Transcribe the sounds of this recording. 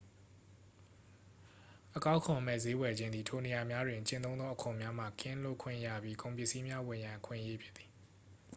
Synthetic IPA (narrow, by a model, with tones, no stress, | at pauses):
ʔəkã˦ʊ̃kʰʊ̃˨m̥ɛ̰˦˨ze˦wɛ˨d͡ʑɪ̃˦nd̪ði˨tʰo˨ne˨ja˨mja˦dwɪ̃˨ɲt͡ɕɪ̃˦˨nõ˦ʊ̃d̪ɔ˦ʔəkʰõ˨mja˦m̥a̰˦˨kɪ̃˦˨lo̰˦˨kʰwɪ̰̃˦˨ja̰˦˨bji˦kõ˨ʊ̃mpjɪ˦ʔsi˦mja˦wɪ̃˨jã˨ʔəkʰwɪ̰̃˦˨ʔəje˦pʰjɪ˦ʔ̪t̪θi̥˨